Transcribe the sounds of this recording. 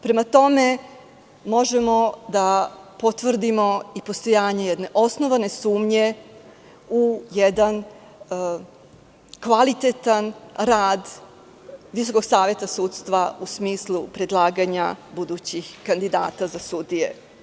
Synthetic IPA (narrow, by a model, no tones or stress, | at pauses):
pɾe̞mat̪o̞me̞ | mo̞ʒemo̞d̪apo̞t̪ʋr̩d̪imo̞ipost̪o̞jaːɲe̞jɛd̪ne̞ʔo̞sno̞ʋane̞suːmɲe̞ | ujɛd̪an | kʋalit̪et̪anɾaːd̪ | ʋiso̞koɡsaːʋje̞t̪asuːt̪st̪ʋausmiːslˠupɾe̞d̪lˠaːɡaɲabud̪ut͡ɕixkand̪id̪a̰ːt̪azasud̪ije